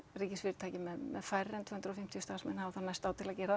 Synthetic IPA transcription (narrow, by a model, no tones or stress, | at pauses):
riːcɪsfɪːɾɪt̪ʰaːjcɪmɛðmɛðfajɾːɛnt̪ʰɛːhʏnt̪ɾɔfɪm̥t̪jʏst̪aːsmɛnhavθanajst̪aːwt̪ʰɪlaðcɛːɾa